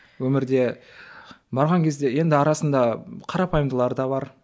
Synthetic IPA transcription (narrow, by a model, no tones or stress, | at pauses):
wɵmɪɾd̪e̞ | bɑɾʁɑŋkʲʰe̞zd̪e̞je̞nd̪ɪɑɾɑsənd̪ɑqʰɑɾɑpɑjmd̪əlˠɑɾd̪ɑbɑɾ